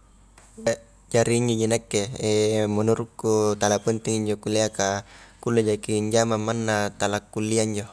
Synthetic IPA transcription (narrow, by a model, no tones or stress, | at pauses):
ja | d͡ʒaɾiːɲd͡ʒod͡ʒinakːeemunuɾukːut̪alapənt̪iŋiɲd͡ʒokuleakakuled͡ʒakiɲd͡ʒamamːanːat̪alakːulːiaiɲd͡ʒo